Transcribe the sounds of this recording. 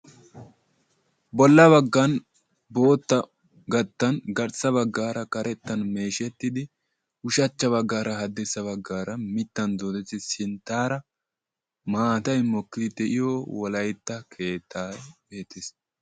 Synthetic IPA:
bɔlːɐβɐɡːɐn | bo̞ːt̪ːɐ | ɡɐt̪ːɐnɡɐɾsɐβɐɡːaːɾɐkɐɾɛt̪ːɐnme̞ːʃɛt̪ːɪd̪ɪ | ʊʃɐt͡ʃːɐβɐɡːaːɾɐɦɐd̪ɛsːɐβɐɡːaːɾɐmɪt̪ːɐnd̪oːd̪ɛt̪ːɪsɪnt̪aːɾɐ | maːt̪ɐjmɔkːɪd̪ɪd̪ɛʔɪjowɔlɐjt̪ːɐkʰe̞ːt̪ʰːaːbe̞ːt̪es

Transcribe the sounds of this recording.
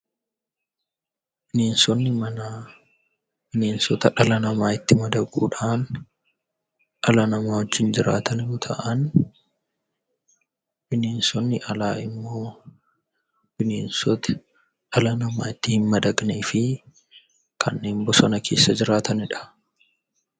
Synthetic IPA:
bɪneːnsɔnːɪmɐna | b̥ɪne̞ːnsɔt̪ɐᶑɐlɐnɐmaːɪt̪ːɪmɐd̪ɐɡṵːᶑaːn | ᶑɐlɐnɐmaːwɔd͡ʒːɪnd͡ʒɪɾa̰ːt̪ʰɐnɪʊt̪ʰɐʔɐn | b̥ɪneːnsɔnːɪʔɐlaːɪmːo̞ː | b̥ɪneːnsɔt̪ɛ̥ | ᶑɐlɐnɐmaːɪt̪ːɪhɪnmɐd̪ɐɡneːfɪ | kʰɐnːe̞ːmbɔsɐnɐkʰe̞̰ːsːɐd͡ʒɪɾaːt̪ʰɐnɪᶑɐ̥

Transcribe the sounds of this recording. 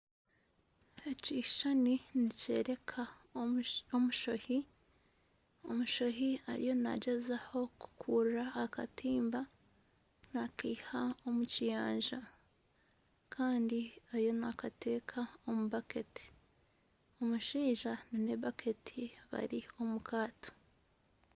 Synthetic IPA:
eciʃaninice̞̰ːɾe̞kʰa | omuʃohi | o̞̰muʃoɦia̰ɾḭjo̞na̰ɟezaho̞ku̥kʰuːɾɾaːka̰tiːmba | nakihaomucijaːɲʒa | kʰaːndiaɾjo̞nakatʰe̞ːkʰaomuβaketi̥ | o̞muʃiːʒanine̞βakʰe̞tʰiβa̰ɾio̞mukʰaːto̥

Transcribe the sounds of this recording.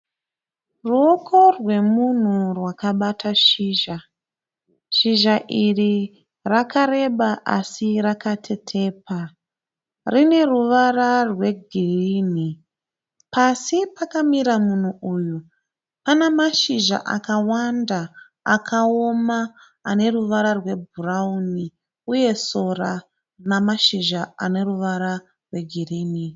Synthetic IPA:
ruokʰo̞rwe̞mun̤urwakaɓatʰaʃiːʒa | ʃiʒaʔiri | rakaɾe̞ɓaʔa̰sirakatʰe̞tʰe̞ːpa | rine̞ruʋararwe̞ɡʱiriːn̤i | pasipakamiɾamun̤uʔuju | panemaʃiʒa̰ʔa̰kawandaː | kʰao̞maː | ne̞ruʋaɾarwe̞bʱurauni | uje̞so̞ra | namaʃiʒaane̞ruʋaɾa | rwe̞ɡʱiriːni

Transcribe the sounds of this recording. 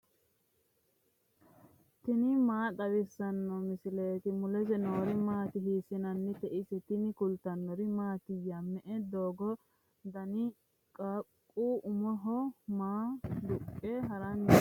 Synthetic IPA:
t̪ɪnɪmaːt̪ɐwɪsːɐnːɔmɪsɪleːt̪ɪmʊlɛs̬ɛnoːɾɪmaːt̪ɪɦiːsɪnɐnːɪt̪ɛʔisɛt̪ɪnɪkʊlt̪ɐnːɔɾɪmaːt̪ɪjɐmːɛʔɛd̪oːɡɔ | d̪ɐnɪ | kʼakʼːuːʔʊmɔɦɔmaːd̪ʊkʼːɛɦɐɾɐn

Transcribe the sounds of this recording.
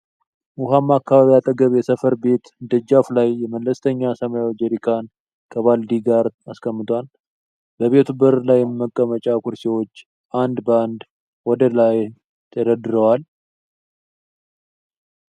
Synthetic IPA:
ʔuɦamːakʰːaβaβijat̪ʼəɡəβjɛsəfəɾbe̞t̪d̪əd͡ʒaflajːɛməlːəst̪ʰəɲːasəmajawd͡ʒeɾikʰan | kʰəβald̪iɡaɾaskʰəmːɨt̪ʰwal | bəβe̞t̪ʰubəɾlajːɛmmːəkʼːəmət͡ʃʼakʰuɾsewo̞t͡ʃː | ʔand̪bəand̪ | wɔd̪əlaj | t̪ʰəd̪əd̪ɨɾəwal

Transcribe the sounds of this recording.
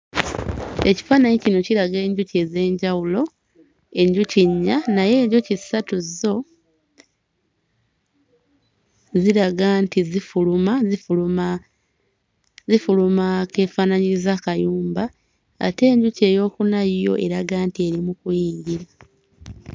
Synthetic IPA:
e̞ci̥faːnaɲecino̞ciɾaɡe̞ːɲɟuceːze̞ːɲɟawulo̞ | e̞ɲɟuciɲːanaje̞ːɾjo̞cisatuzo̞ | ziɾaɡantizifulumaziulua | zifulumake̞ːfaːnaɲiɾizakajuːmba̰ː | te̞ːɲɟuce̞ːjo̞ːkunajjo̞̰ʔe̞ɾaɡaːntie̞ɾimukujiːɲɟiɾa

